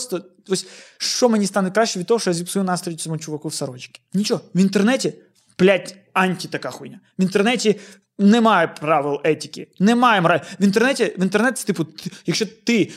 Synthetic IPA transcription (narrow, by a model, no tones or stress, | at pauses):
post̪ə | osʲʂt͡ʃomɨnʲist̪anʊt̪̚ʲkɾaɕːɪʋʲid̪̚t̪ːooʂɔjɐzʲipsɐjunast̪ɾəɪtʲsʲɐmut͡ʃʊʋɐkufsɐɾod͡ʒɪ̥kʲɪ̥nʲit͡ɕovɨnt̪ɛrnɛtʲɪ | plʲatʲ | anʲtʲɪt̪ɐkaxujnʲɐ | vɨnt̪ɛrnɛtʲɪ | nɛmajɛpɾaʋʲɪlˠɛtʲɪkʲɪnɛmajɪmɾavɨnt̪ɨrnɛtʲɪvɨnt̪ɛrnɛt̪st̪ɨpʊt̪jɐkʃɕːet̪ɨ